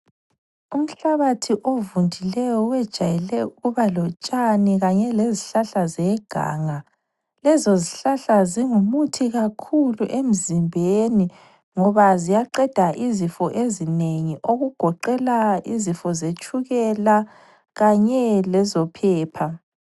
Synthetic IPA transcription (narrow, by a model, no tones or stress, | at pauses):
um̩ɬaβatʰiʔovundʱilɛjɔwɛd̥ʒ̥ʱajɛlɛuɣuβalɔt͡ʃʼaniɣaɲɛleziɬaɬazɛɡ̥ʱa̰ːŋa | lɛzoziɬaɬaziŋumutʰiɣakʰuluʔem̩zimbʱeni | ŋɔβazijaǃɛd̥ʱaʔizifɔʔezineŋiʔoɣuɡ̥ʱɔǃɛlaizifɔzet͡ʃʼuɣɛla | ɣaɲɛlɛzɔpʰɛːpʰa